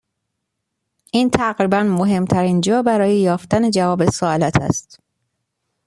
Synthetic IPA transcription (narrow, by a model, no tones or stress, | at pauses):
ʔiːnt̪ʰæɣɾiːbænmoɦe̞mt̪ʰæɾiːnd͡ʒɒːbæɾɒːjejɒːft̪æne̞d͡ʒævɒːbe̞soɒːlæt̪ʰæ̰st̪